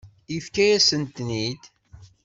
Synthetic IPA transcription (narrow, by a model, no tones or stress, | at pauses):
ifkæjæsənt̪nid̪